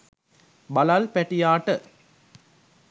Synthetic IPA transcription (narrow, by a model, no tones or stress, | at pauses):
bɐlalpæʈijaːʈə